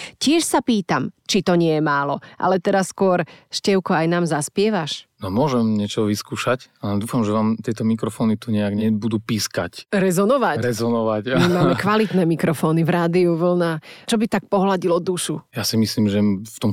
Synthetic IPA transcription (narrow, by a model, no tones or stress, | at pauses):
cɪɛʃsapiːt̪amt͡ʃit̪ɔɲɪɛjɛmaːlɔʔa̰lɛt̪ɛɾasːkʊɔɾʃcɛʊkɔajnaːmzaspɪɛʋaʃnɔmʊɔʒɛmɲɛt͡ʃɔʋiskuːʃacalɛd̪uːfamʒɛʋaːmt̪ɪɛt̪ɔmikɾɔfɔːnit̪uɲɛjaɡɲɛbud̪uːpiːska̰cɾɛzɔnɔʋaɾɛzɔnɔʋacmimmaːmɛkʋalit̪nɛmikɾɔfɔːnivɾaːd̪iuʋl̩nat͡ʃɔbit̪ak̚pɔɦlaɟilɔd̪uʃujasimisliːmʒɛft̪ɔm